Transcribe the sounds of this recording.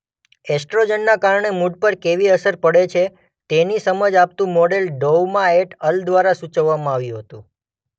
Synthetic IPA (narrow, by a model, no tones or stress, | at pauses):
ɛsʈɾod͡ʒənːakaɾɳemuɖ̚pəɾkeʋiəsəɾpəɽet͡ʃʰe | t̪enisəməd͡ʒap̚t̪ũmɔɖelɖowmãeʈəld̪ʋaɾasut͡ʃəʋːamãaʋjũɦət̪ũ